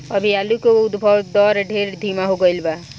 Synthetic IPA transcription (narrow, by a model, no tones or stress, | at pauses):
əbʱialukoʊd̪bʱɔwd̪ɔɾɖʱeɾd̪ʱimaɦoɡəilba